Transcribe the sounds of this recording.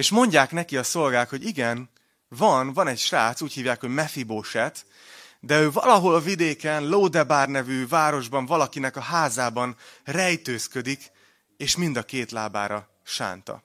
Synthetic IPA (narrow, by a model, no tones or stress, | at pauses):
eːʃmo̞ɲɟaːknɛkiɒso̞lɡaːk̪ho̞ɟiɡɛn | vɒnvɒnɛcʃraːt̪suːchiːvjaːkho̞ɟmɛfiboʃɛt̪ | d̪ɛøːvɒ̰lɒɦo̞lɒvid̪eːkɛnloːd̪ɛbaːrnɛvyːvaːɾo̞ʒbɒɱvɒlɒkinɛkɒɦaːzaːbɒnrɛjt̪øːskød̪ik | eːʃmind̪ɒkeːt̪laːba̰ːɾɒ | ʃa̰ːnt̪ɒ̰